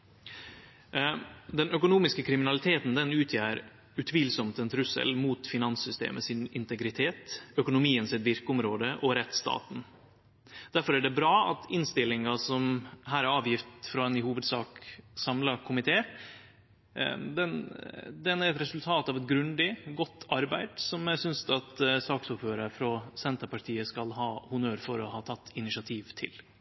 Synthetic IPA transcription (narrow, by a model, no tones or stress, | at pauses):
d̪ɛnœkʊnuːmɪskəkʰɾɪmɪnɑlɪt̪ʰeːt̪nd̪ɛnʉːt̪ʰjæːɾ | ʉt̪ʰʋiːlsɔmt̪ɛnt̪ʰɾʉsə̰lmuːt̪fɪnɑnsʏst̪ḛːməsɪnɪnt̪ɛɡɾɪt̪ʰeːt̪œkʊnʊmiːənsɛt̪ʋɪɾkəʊmɾoːd̪əʔɔɾɛt̪ːst̪ɑ̰ːt̪n̩ | d̪̥æɾfɔɾæɖɛbɾɑːɑ̰t̪ɪnst̪ɪlːɪŋɑsɔmɦæːɾæɾɑːʋjɪft̪fɾɑɛnɪhuːʋəd̪sɑːksɑmlɑkʰʊmɪt̪ʰeː | d̪ɛnd̪ɛnæɾɛt̪ɾɛsʉlt̪ʰɑːt̪ɑːʋɛt̪ɡɾʉnd̪ɪɡɔt̪ʰːɑɾbæɪd̪sɔmæsʏnst̪ɑt̪sɑːksʊpføːɾəɾfɾɑsɛnt̪əɾpʰɑʈʰiːəskɑlhɑːhʊnøːɾfɔɾɔhɑːt̪ʰɑt̪ːɪnɪʃɑt̪ʰiːʋt̪ʰɪ̰l